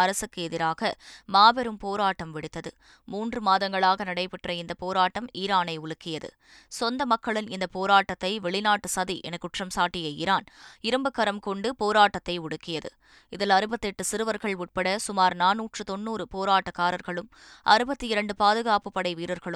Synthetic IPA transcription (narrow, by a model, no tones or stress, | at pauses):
ɐɾɐsɯkːɯɛðɪɾaːɣɐmaːbɛɾɯmpoːɾaːʈːɐmʋɪɽɯt̪ːɐðɯ | muːndrɯmaːðɐŋɡɐɭaːɣɐnɐɽɐɪpɪʈrɐɪnd̪ɐpoːɾaːʈːɐmiːɾaːnɐɪʊɭɯkːɪjɐðɯ̰ | sɔnd̪ɐmɐkːɐɭɪnɪnd̪ɐpoːɾaːʈːɐt̪ːɐɪʋɛɭɪnaːʈːɯsɐðiʔɛ̰nɐkːʊʈrɐmsaːʈːɪjɐɪɾaːnɪɾɯmbɯkːɐɾɐmkɔɳɖɯpoːɾaːʈːɐt̪ːɐɪʊɽɯkːɪjɐðɯ̰ | ɪðɪlɐɾɯbɐt̪ːɛʈːɯsɪɾɯʋɐɾɣɐɭʊʈ̚pɐɽɐsʊmaːɾnaːnuːʈrɯt̪ɔnːuːɾɯpoːɾaːʈːɐkːaːɾɐɾɣɐɭɯm | ʔɐɾɯbɐt̪ːɯɪɾɐɳɖɯpaːðɯɣaːpɯpːɐɽɐɪʋiːɾɐɾɣɐɭɯ